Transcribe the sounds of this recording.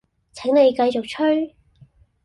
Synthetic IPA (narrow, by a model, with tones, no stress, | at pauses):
t͡sʰɛ˨˥ŋne˨˧jkɐ˧jt͡sʊ˨k̚t͡ʃʰɵ˥ɥ